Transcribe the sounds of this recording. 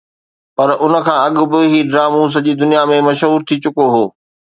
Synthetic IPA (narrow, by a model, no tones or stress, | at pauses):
pɐɾʔʊnə̆kʰãːɐɠʊ̆bɪɦiɖɾaːmũːs̬ɐʄiːd̪ʊnijamẽmɐʃɦuːɾt̪ʰit͡ɕʊkoɦoː